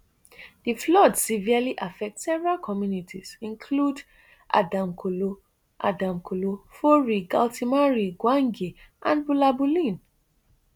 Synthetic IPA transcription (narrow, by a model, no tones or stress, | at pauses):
d̥iflɔdsivialiʔafɛk̚tsɛvɹalkʰɔmjunitʰiz̥ĩnkʰlud | ʔa̰dãmkʰolo | ʔa̰dãmkʰolofoɹiɡaltimaɹiɡwãŋɡiʔãnbulabulĩn